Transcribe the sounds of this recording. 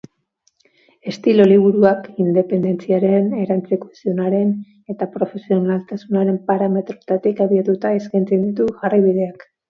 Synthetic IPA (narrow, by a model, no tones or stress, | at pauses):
e̞st̪iloliβ̞uɾuakind̪e̞pe̞nd̪e̞nt͡siaɾe̞ne̞ɾant͡sikosio̞naɾe̞n | e̞t̪apɾo̞fe̞sio̞nalt̪asunaɾe̞mpaɾame̞t̪ɾot̪at̪ikaβiat̪ut̪aeskajnt͡se̞nd̪it̪uʝarajβiðe̞ak